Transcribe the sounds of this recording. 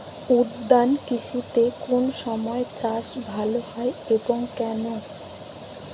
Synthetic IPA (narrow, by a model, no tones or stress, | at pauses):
uɾd̪ːankit͡ɕʰut̪ekonʃɔmɔet͡ɕaʃbʱalohɔeeboŋkɛno